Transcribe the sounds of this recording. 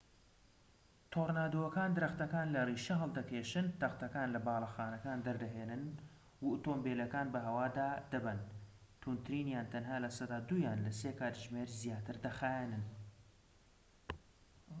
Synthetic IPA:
t̪ʰoːɾnaːd̪oːwɐkaːnd̪ɨɾɐxt̪ɐkaːnlɐriːʃɐɦɐlˠd̪ɐkʰeːʃɨnt̪ɐxt̪ɐkaːnlɐbaːlˠɐxaːnɐkaːnd̪ɐɾd̪ɐɦeːnɨn | wut̪oːmbeːlɐkaːnbɐɦɐwaːd̪aːd̪ɐbɐn | t̪ʰunt̪ɾiːnjaːnt̪ʰɐnɦaːlɐsɐd̪aːd̪uːjaːnlɐseːkaːt̪ʒmeːɾzijaːt̪ʰɨɾd̪ɐxaːjenɨn

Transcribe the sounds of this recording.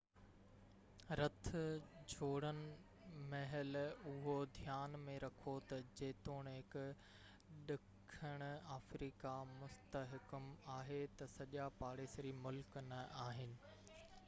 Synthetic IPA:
ɾɐt̪ʰʊd͡ʑʱoːɽənɪ̆ | mɐɦɪlʊɦod̪ʱjaːnmẽɾɐkʰot̪ɐd͡ʑeːt̪oːɽ̃ɦɪk | ɗɪkʰəɽ̃ʊaːfɾiːkamʊst̪əɦɪkʊmaːɦet̪ɐsɐʄapaːɽeːsɾimʊlknɐʔaːɦɪnɪ̆

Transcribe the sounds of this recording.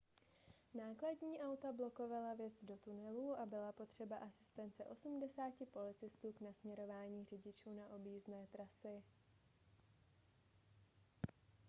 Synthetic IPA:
naːkladɲiːʔawt̪ablo̞ko̞valavjɛzt̪do̞t̪unɛluːʔabɪlapo̞t̪r̝̥ɛbaʔasɪ̥st̪ɛnt͡sɛʔo̞sumdɛsaːcɪpo̞lɪt͡sɪst̪uːknasmɲɛɾo̞vaːɲiːr̝ɪɟɪt͡ʃuːnaʔo̞bjiːznɛːt̪ɾasɪ

